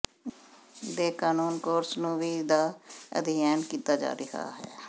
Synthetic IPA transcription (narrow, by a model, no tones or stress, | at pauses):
d̪eːkaːnuːnkoːɾsnũːʋiːd̪aːə̰d̪ɪjaːnkiːt̪aːd͡ʒa̰ːɾɪha̰ːɦɛ̰ː